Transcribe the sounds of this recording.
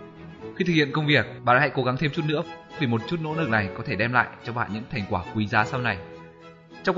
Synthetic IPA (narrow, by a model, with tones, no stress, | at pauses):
xi˧t̪ɨ˨k̚ʰi˧˨ə˨nkə˧wŋ͡mvi˨˩ək̚ɓa̰ː˧˨nha̰˧˥jko˨˦ɣa˨˦ŋt̪ʰe˧mt͡ɕu˦˥t̚nɨ̰˧˥əvʰi˨˩mo˨˩t̚t͡ɕu˦˥t̚no̰˧˥nɨ˨˩k̚na˨˩jkɔ˨˦t̪ʰe˧˩ɗɛ˧mla̰ː˧˨jt͡ɕɔ˧ɓa̰ː˧˨nɲɨ̰˧˥ŋt̪ʰa˨˩jŋ̟kwaː˧˩kwi˨˦zaː˨˦sa˧wna˨˩j | t͡ɕɔ˧wŋ͡mk